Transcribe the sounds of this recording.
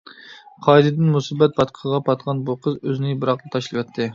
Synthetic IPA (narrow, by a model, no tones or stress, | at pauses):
qʰɑd̪ɨd̪ɪnmusibɛt̪̚pɑt̪qʰəʁɑpʰɑt̪qʰɑnbuqʰəzøzɪnɪbɨɾɑqlˠɨt̪ʰɑʃlˠɨwɛt̪ʰːɪ